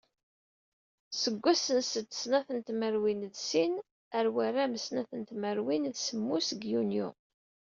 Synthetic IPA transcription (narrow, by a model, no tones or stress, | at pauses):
səɡʷːæsənsət̪ːə̥snæθənt̪məɾwinðsin | əɾwæɾaməsnæθənt̪məɾwinðsəmːusɡjunjṵ